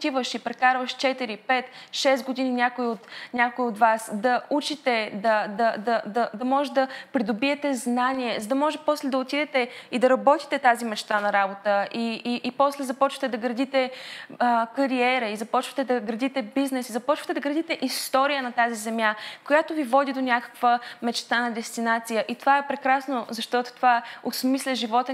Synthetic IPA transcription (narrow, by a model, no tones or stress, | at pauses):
t̪ivəʃipɾɛkaɾvəʃt͡ʃɛt̪iɾipɛt̪ʃɛsɡod̪ininʲakoiot̪nʲakoiot̪vasd̪ɐut͡ʃit̪ɛd̪ɐd̪ɐd̪ɐd̪ɐd̪ɐmɔʒɛd̪ɐpɾid̪obiɛt̪ɛznaniɛzɐd̪ɐmɔʒɛpɔslɛd̪ɐot̪id̪ɛt̪ɛid̪ɐɾɐbɔt̪i̥t̪ɛt̪azimɛt͡ʃt̪anɐɾabot̪əʔiːpɔslɛzɐpɔt͡ʃvɐ̥t̪ɛd̪ɐɡɾɐd̪it̪ɛ | kɐɾiɛɾɐizɐpɔt͡ʃvɐ̥t̪ɛd̪ɐɡɾɐd̪it̪ɛbiznɛsizɐpɔt͡ʃvɐ̥t̪ɛd̪ɐɡɾɐd̪it̪ɛʔist̪ɔɾijənɐt̪azizɛmjakojat̪ovivɔd̪id̪onʲakə̥kvəmɛt͡ʃt̪anɐd̪ɛst̪inat̪sijəʔit̪ovaɛpɾɛkɾasnozɐʃt̪ɔt̪o̥t̪ovaɛosmislʲəʒivɔt̪ɛ